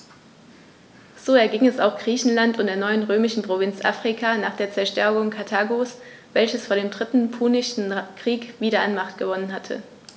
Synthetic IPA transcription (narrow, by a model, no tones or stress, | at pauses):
z̥oːɛɐɡɪŋɛsaʊxɡ̥ʁiːçn̩lantʊntd̥eːɐnɔʏənʁøːmɪʃn̩pʁ̥ovɪnt͡sʔa̰fʁ̥ikʰanaːχd̥eːɐt͡sɛɐʃtɛɐɡʊŋkʰatʰaːɡos | vɛlçəsfoːɐdeːmdʁɪtn̩pʰuːnɪʃn̩kʁ̥iːkv̥iːɾɐanmaχtɡ̥əvɔnənɦatʰə̰